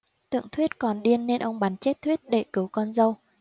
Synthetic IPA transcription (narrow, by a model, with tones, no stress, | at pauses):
t̪ɨ̰˧˨əŋt̪ʰwi˦˥ət̚kɔ˨˩nɗi˧ənːe˧nʔə˧wŋ͡mɓa˨˦nt͡ɕe˦˥t̚t̪ʰwi˦˥ət̚ɗe˧˩kɨ˨˦wkɔ˧nzə˧w